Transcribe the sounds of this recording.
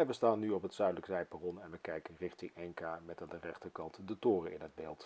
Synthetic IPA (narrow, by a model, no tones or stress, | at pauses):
ɛʋəstaːnːyɔpɦətsœɥdələksɛjparɔnɛnʋəkɛjkənrɪχtɪŋɛŋkaːmɛtaːndərɛχtəkɑntdətʊːrəʔɪ̰nɦəd̚beːlˠt